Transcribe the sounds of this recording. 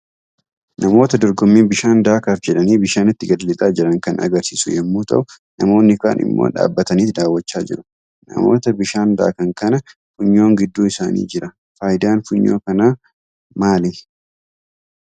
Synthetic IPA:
nɐmo̞ːt̪ɐd̪ɔɾɡɔmːiːbɪʃaːnd̪aːkɐfd͡ʒɛᶑɐniːbɪʃaːnɪt̪ːɪɡɐllɪt̪ʼaːd͡ʒɪɾɐŋkɐnɐ̰ɡɐɾsiːsʊ̰jɛmːuːt̪ɐ̰ʔʊ | nɐmo̞ːnːɪka̰ːnʔɪ̰mːo̰ːᶑa̰ːbːɐt̪ɐniːt̪d̪aːwːɐt͡ʃːaːd͡ʒɪ̰ɾʊ̥ | nɐ̰mo̞̰ːt̪ɐbɪʃaːnd̪a̰ːkɐŋkɐnɐ | fʊɲːo̞ːŋɡɪd̪ːuːɪsaːnḭːd͡ʒɪɾɐ | faːjɪd̪aːnfʊɲːo̞ːkɐnaː | maːlɪ

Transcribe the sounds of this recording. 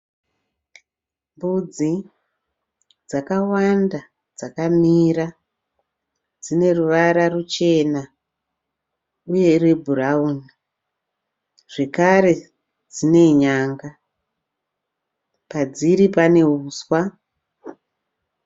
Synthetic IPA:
mbud͡zi | d͡zakawanda | d͡zakamiːɾa | d͡zine̞ruʋaɾarut͡ʃe̞na | uje̞irebʱurauni | ʐ̥e̞kaɾe̞ | d͡zine̞ɲaːŋɡa | pad͡ziɾipane̞ɦuːswa

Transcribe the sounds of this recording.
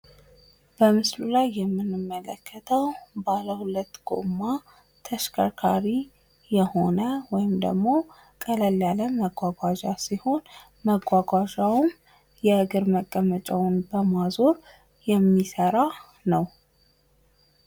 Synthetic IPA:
b̥əmɨslulajːɛmːɨnːɨmːələkʰːət̪ʰəwbaləhulət̪ːɡ̥ʼo̰ma | t̪ʰəʃkʰakʰaɾi | jɛho̞nəwɔjɪmd̪ə̰ɡmo̞ | kʼələlaləməɡʷaɡʷad͡ʒasiho̞n | məɡʷaɡʷaʒawum | jɛɨɡɨɾməkʼːəmət͡ʃʼawʊnbəmazo̞ɾ | jɛmːisəɾa | nəw

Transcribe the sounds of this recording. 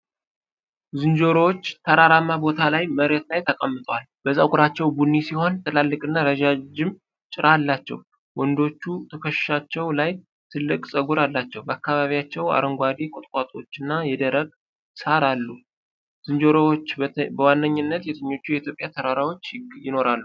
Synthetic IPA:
zɨnd͡ʒo̞ɾowot͡ʃːt̪ʰəɾaɾamːabo̞t̪ʰalajməɾet̪lajt̪ʰəkʼəmːɨt̪ʼwalb̥əzakʼuɾat͡ʃːɛwbunːisiho̞nt̪ʰʼɨlalːɨkʼɨnːaɾəʒad͡ʒɪm | t͡ʃʼɪɾʔalːat͡ʃːɛ̰w | wɔnd̪o̞t͡ʃːut̪ʰəkʰəʃʃat͡ʃːɛwlaj | t̪ʰɨlːɨkʼsʼəɡuɾalːat͡ʃːɛwbəakːaβaβijat͡ʃːɛwa̰ɾəŋɡʷad̪ekʼot̪ʼkʼat̪ʼo̞t͡ʃːɨnːajɛd̪əɾəɡʼ | saɾalːu | z̥ɨnd͡ʒo̞ɾowot͡ʃːbəwanːəɲːɪnːət̪jɛt̪ʰəɲːo̞t͡ʃːujɛit̪jopʼjat̪ʰəɾaɾawo̞t͡ʃːjɪno̞ɾalːu

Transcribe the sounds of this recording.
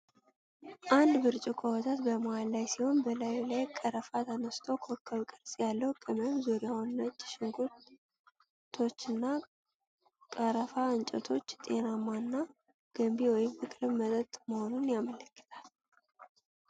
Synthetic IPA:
ʔand̪bɨɾt͡ʃʼikʰʼowɔt̪ʰat̪bəməwalːajsiho̞nbəlajlajkʼəɾəfat̪ʰənəst̪ʰowkʰokʰːəβkʼɨɾsʼjalːəwkʼəməmzuɾjawnːət͡ʃʼːʃɪŋɡu | t̪ʰo̞t͡ʃːɨnːa | kʼəɾəfaɨnt͡ʃʼɛt̪ʰo̞t͡ʃːt̪ʼe̞̰namːanːa | ɡ̥əmbiwɔjɪmkɨkʼlɨmːət̪ʼət̪ʼməho̞nunjamələkːə̥t̪ʰal

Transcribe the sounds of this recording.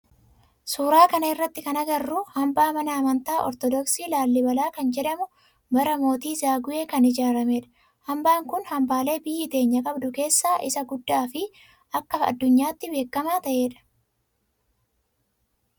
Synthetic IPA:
suːɾaːkɐnɐɪrːɐt̪ːɪkɐnɐɡɐrːuhɐmbaːmɐnɐːmɐnt̪aːʔɔ̰ɾt̪ɔd̪ɔksiːlaːlːɪbɐlaːkɐnd͡ʒɛᶑɐmʊ | bɐɾɐmo̞ːt̪iːzaːɡʊʔe̞ːkɐnɪd͡ʒaːɾɐme̞ːᶑɐ̥ | hɐmbaːŋkʊnhɐmbaːle̞ːbɪjːɪt̪e̞ːɲːɐkʼɐbd̪ʊke̞ːsːaːʔɪ̰sɐɡʊd̪ːaːfɪ | ɐkːɐɐ̰d̪ːʊɲːaːt̪ːɪbe̞ːkːɐmaːt̪ɐʔe̞ːᶑɐ̥

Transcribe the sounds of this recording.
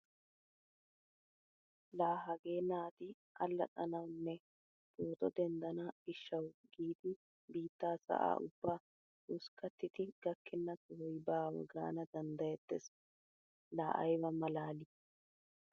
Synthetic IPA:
laːɦɐɡe̞ːnaːt̪ɪ | ʔɐlːɐ̰t̪ʼɐnɐwnːɛ | b̥oːt̪ɔd̪ɛnd̪ɐnɐɪʃːɐwɡ̥iːd̪ɪ | biːt̪ːaːsɐ̰ʔa̰ːʔʊbːaː | ʊskɐt̪ːɪt̪ɪɡ̥ɐkːɪnːɐtɔhʊjbaːwɔ̰ɡa̰ːnɐd̪ɐnd̪ɐjɛd̪ːɛs | laːʔɐ̰jwɐmɐlaːlɪ

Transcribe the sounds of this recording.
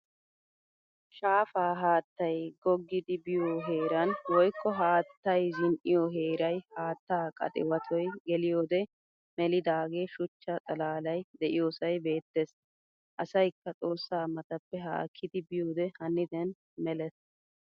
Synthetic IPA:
ʃaːfaːɦaːt̪ːɐjɡɔɡːɪd̪ɪbɪjoɦe̞ːɾɐnwɔjkːɔɦaːt̪ːɐjzɪnʔɪjɔɦe̞ːɾɐjhaːt̪ːaːkʼɐ̰t̪ʼɪ̰wɐt̪ʰɔjɡɛlɪjoːd̪ɛ | mɛlɪd̪aːɡeːʃʊt͡ʃːɐt͡sʼɐlaːlɐjd̪ɛʔɪjo̞ːsɐjbe̞ːt̪ːes | ʔɐsɐjkːɐt͡sʼo̞ːsːaːmɐt̪ɐpːɛɦa̰ːkʰːɪd̪ɪbɪjoːd̪ɛhɐnːɪd̪ɛn | mɛlɛs

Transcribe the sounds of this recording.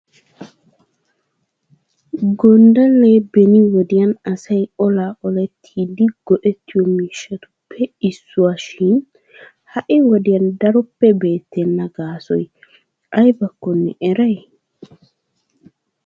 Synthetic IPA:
ɡɔnd̪ɐlːebɛnɪwɔd̪ɪjɐnɐsɐjɔlaːʔɔlɛt̪ʰːiːd̪ɪɡ̥ɔʔɛt̪ːɪjɔmiːʃːɐt̪ʊ̥pʰːɛɪsːʊwaʃɪn | hɐʔɪwɔd̪ɪjɐnd̪ɐɾɔpːɛbe̞ːt̪ːɛnːɐɡaːsɔ̰j | ʔɐjbɐkːɔnːɛ̰ʔɛɾɐj

